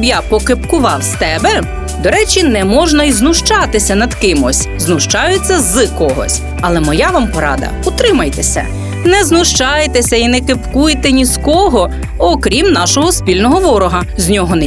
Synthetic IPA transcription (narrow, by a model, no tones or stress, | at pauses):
bjɑpɔkepkʊʋɑwst̪ɛbɛ | d̪ɔɾɛt͡ʃʲinɛmɔʒnɐjznʊʃt͡ʃɑt̪ɪsʲɐnɐd̪kɪmɔsʲ | znʊʃt͡ʃɑjʊt͡sʲːɐzɨkɔɦɔ̰sʲ | ɐlˠɛmɔjɑʋɑmpɔɾɑ̰d̪ɐ̰ut̪ɾɪmɐjt̪esʲɐ̰ | nɛznʊʃt͡ʃɑjt̪esʲɐinɛkepkujt̪ɛnʲiskɔɦɔ | ɔkɾʲimnɑʃɔɦɔspʲilʲnɔɦɔʋɔɾɔɦɐzʲnʲɔɦɔnɛ